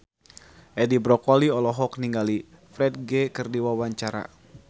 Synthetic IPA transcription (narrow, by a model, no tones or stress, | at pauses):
ʔɛdibɾɔkɔliɔlɔɦɔk̚niŋɡali | fɾɛt̪̚ɡɛkɨrdiwawaɲt͡ʃaɾa̰